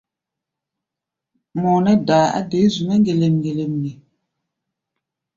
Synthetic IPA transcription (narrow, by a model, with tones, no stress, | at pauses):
mɔː˨nɛ˦daː˨a̰˦de˨˦zu˨mɛ˦ŋɡe˨le˨mŋɡe˨le˨mne˨